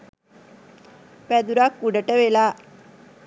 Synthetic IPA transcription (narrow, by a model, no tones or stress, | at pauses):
pæd̪uɾakːuɖəʈəʋelaː